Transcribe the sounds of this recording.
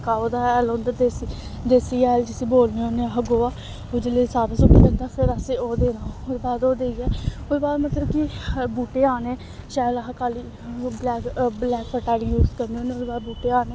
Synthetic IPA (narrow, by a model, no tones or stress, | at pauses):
kaːod̪aːɛlõːnd̪əd̪esi | d̪eːsiːɛːld͡ʒɪsiːboːlnẽːoːneːəɦãɡoːaː | oːd͡ʒeleːsaːɾãːsʊkːd̪ə̃nd̪aːpʰɪɾəseoːd̪eːnaːod̪ebaːd̪oːd̪eːiɛːʊebaːd̪mət̪ləbkɪbuːʈeːaːnẽː | ʃaːəlɦaːkaːliː | blɛːkblɛːkpʰəʈaːliːjuːzkəɾneoːneod̪ebaːd̪buːʈeːaːnẽː